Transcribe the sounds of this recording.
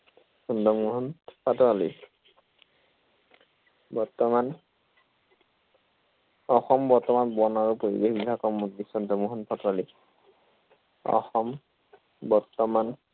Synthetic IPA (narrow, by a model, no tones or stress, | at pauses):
sɔndɔmuɦɔnpʰatɔalḭ | bɔɹtɔman | ɔxɔmbɔɹtɔmanbɔnaɹupoɹḭbexbibʱakɔmudisɔndʱɔmuɦɔnpʰatɔɹali | ɔ̰xɔm | bɔɹtɔman